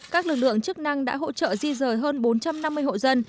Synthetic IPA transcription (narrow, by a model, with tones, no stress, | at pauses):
kaː˦˥k̚lɨ˨˩k̚lɨ̰˧˨əŋt͡ɕk̚na˧ŋɗa̰ː˧˥ɦo̰˧˥t͡ɕə̰ː˧˨zi˧zəː˨˩jɦəː˧nɓo˨˦nt͡ɕa˧mna˧mːɨ˧əjɦo̰˧˨zə˧n